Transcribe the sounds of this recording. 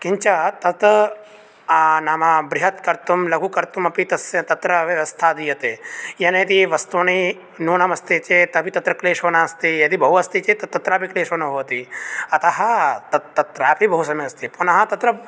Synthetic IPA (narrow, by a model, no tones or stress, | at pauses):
kiɲt͡ʃat̪ɐt̪ɐ | anaːmabɾɪɦɐt̪kɐɾt̪umlɐɡʱukɐɾt̪umɐpit̪ɐsjɐt̪ɐt̪ɾɐʋjɐʋɐst̪ʰaːd̪ijɐt̪eːjɐneːt̪iʋɐst̪oːni | nuːnɐmɐst̪it͡ʃet̪ɐbʱit̪ɐt̪ɾɐkleːʃʋɐnaːɐst̪ijɐd̪ibʱɐɦuɐst̪it͡ʃet̪ɐt̪ːɐt̪ɾaːbikleːʃɐnɐɦoːt̪iɐt̪ɐɦɐt̪ɐtːɐt̪ɾaːpʰibʱɐɦusɐmeɐst̪iponɐɦɐt̪ɐt̪ɾɐ